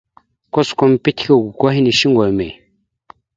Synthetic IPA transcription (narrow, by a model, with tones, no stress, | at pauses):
kɔ˦skɔ˦m˦pe˦t̪ʰi̥˦ko˦˨ɡu˨kɔ˦ɦi˦ni˨ʃi˦ŋɡɔ˨lme˨